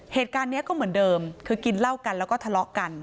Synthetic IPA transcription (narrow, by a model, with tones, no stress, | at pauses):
heː˨˩t̪̚kaː˧nːi˦˥ɐkɔː˥˩mɯ˩˦əndɤː˧mkʰɯː˧ki˧nla˥˩wka˧nlɛː˦˥wkɔː˥˩t̪ʰlɔ˦˥ʔka˧n